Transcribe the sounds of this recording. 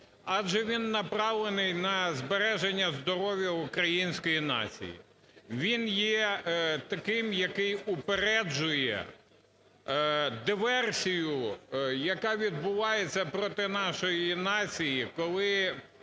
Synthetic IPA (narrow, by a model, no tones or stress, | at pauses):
ɑd͡ʒɛʋʲinːɐpɾɑʋlˠenɪjnɐzbeɾɛʒenʲːɐzd̪ɔɾɔʋʲjɐʊkɾɐjinʲsʲkɔjinɑ̰t͡sʲḭjḭ | ʋʲinjɛt̪ɐkɪmjɐkɪjʊpeɾɛd͡ʒʊjɛ̰ | d̪ɪʋɛrsʲijʊjɐkɑʋʲid̪̚bʊʋɑjet͡sʲːɐpɾɔt̪ɪnɑʃɔjinɑt͡sʲijikɔlˠɪ